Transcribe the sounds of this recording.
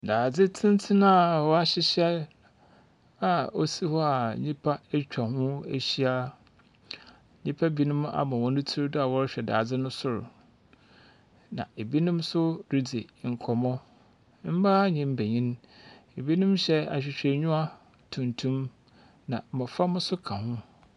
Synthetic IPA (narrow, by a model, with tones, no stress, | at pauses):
daː˨d͡zɪ˦tʰɪ̃˦n˦tʰɪ˦nã˦˨wɔ˦a˦ɕɪ˦ɕɛ˦ | a˨o˦si˦hɔ˦a˨ɲĩ˦pʰa˦e˦t͡ɕᶣa˨hʊ̃˦e˦ɕi˦a˦˨ | ɲĩ˦pʰa˦bi˦nʊ̃˦ma̰˨mã˨wɔ̃˦nʊ̃˦tʰi˦ɾdʊ˦a˨wɔ˦ɾɕᶣɛ˨da̰ː˨d͡zɪ˦nʊ̃˦sʊ˦˨ɾʊ̰˨ | nã̰˨e˨bi˦nʊ̃˦msʊ˦ɾi˦d͡ze˨ŋ̩˨kʰɔ˨mɔ̃˦ | m̩˦ba˦ɲĩ˦m̩˦be˨ɲĩ˦n˦ | e˨bi˦nʊ̃˦mɕɛ˦a̰˨ɕᶣɪ˨ɕᶣe˨ɲũ˦a˦ | tʰũ˨ntʰũ˦m | nã˨mɪ̃˨fa˦mʊ̃˦sʊ˦kʰã˨hʊ̃˦